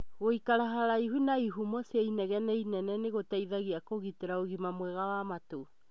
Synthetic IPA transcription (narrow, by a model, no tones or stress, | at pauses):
ɣoikaɾaɦaɾaiɦunaiɦumɔseainɛɣɛnɛinɛnɛneɣotaiðaɣiakoɣiteɾaoɣimamwɛɣawamato